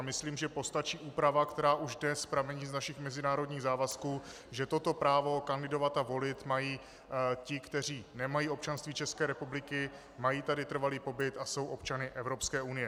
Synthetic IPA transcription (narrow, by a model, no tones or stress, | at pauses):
mɪsliːmʒɛpo̞st̪at͡ʃiːʔuːpɾavakt̪ɛɾaːʔuʒdnɛspɾavɛɲiːznaʃɪxmɛzɪnaːɾo̞dɲiːɣzaːvaskuː | ʒɛt̪o̞t̪o̞pɾaːvo̞kandɪdo̞vat̪avo̞lɪt̪majiː | cɪkt̪ɛr̝iːnɛmajiːo̞p̚t͡ʃanst̪viːt͡ʃɛskɛːɾɛpublɪkɪ | majiːt̪adɪt̪r̩valiːpo̞bɪt̪aso̞wʔo̞pt͡ʃanɪʔɛvɾo̞pskɛːʔunɪjɛ